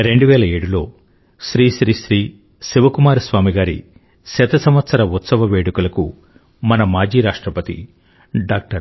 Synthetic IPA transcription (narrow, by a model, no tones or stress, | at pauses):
ɾe̞ɳɖuʋɛːlɐeːɽulo̞ː | ʃɾiːʃɾiːʃɾiː | ʃiʋɐkumaːɾusʋaːmiɡaːɾḭ | sɛt̪ɐsɐmʋɐt̪sɐɾɐut̪sɐʋɐʋeːɽukulɐku | mɐnɐmaːd͡ʒiːɾaːʂʈɾɐpɐt̪ḭ | ɖaːk̚ʈɐɾ